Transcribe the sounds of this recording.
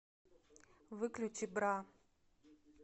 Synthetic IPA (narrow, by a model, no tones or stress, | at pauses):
vɨklʲʊt͡ɕʲibɾa